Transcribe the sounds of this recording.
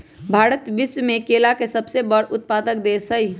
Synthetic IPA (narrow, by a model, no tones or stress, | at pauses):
bʱaːɾət̪ʋɪswmẽkeːlakesəbsebəɽʊt̪̚paːd̪ək̚d̪esəɦi